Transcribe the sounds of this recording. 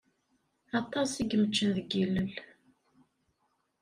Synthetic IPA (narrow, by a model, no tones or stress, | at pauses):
ɑt̪ˤːɑsiɡmət͡ʃːənðəɡilːəl